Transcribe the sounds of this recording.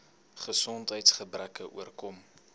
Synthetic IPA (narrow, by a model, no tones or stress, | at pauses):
χəsɔntɦəjtsχəbrækəʔuərkɔm